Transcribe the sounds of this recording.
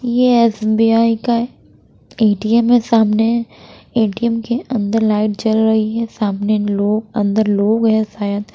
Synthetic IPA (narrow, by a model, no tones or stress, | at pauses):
jeɛsbiaːika | eːʈiɛmesaːmneɦɛ̃eːʈiɛmkeʔɐ̃nd̪əɾlaːɪʈ̚t͡ʃɐlɾɐɦiɦɛsaːmneloːɡɐ̃nd̪əɾloːɡɦɛ̃saːjəd̪